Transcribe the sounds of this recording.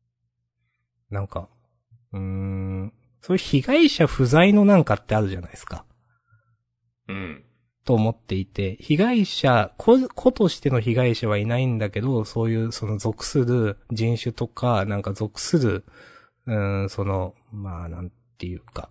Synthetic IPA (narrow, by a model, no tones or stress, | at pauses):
nãŋka | ɯ̟̃ | so̞ːjɯçiɡaiɕaɸɯ̟zaino̞nãŋkat̪ːeaɾɯ̟ʑanaisɨ̥ka | ɯ̟̃ | t̪o̞ːmo̞t̪ːe̞it̪e̞çiɡaiɕakʰokʰo̞t̪o̞ɕi̥t̪e̞no̞çiɡaiɕaβ̞ainaĩnd̪ake̞d̪o̞so̞ːjɯ̟ːso̞no̞zo̞kɯ̟̥sɨɾɯ̟d͡ʑĩɰ̃ɕɨt̪o̞kanãŋkazo̞kɯ̟̥sɨɾɯ̟ | ɯ̟̃ɴso̞no̞ | manãnt̪e̞jɯ̟ka